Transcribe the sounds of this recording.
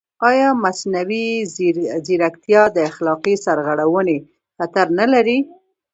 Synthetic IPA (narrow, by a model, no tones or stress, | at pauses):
ɑjɑmasnawi | ziɾakt̪jɑd̪əaxlɑqisaɾɣaɽawəne | xat̪aɾnalaɾi